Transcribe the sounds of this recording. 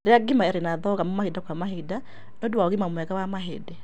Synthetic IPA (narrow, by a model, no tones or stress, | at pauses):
ɾeaɡimaɛɾenaðɔɣamɔmahidakwamaɦida | nɔduwaɔɣimamwɛkawamaɦedɛ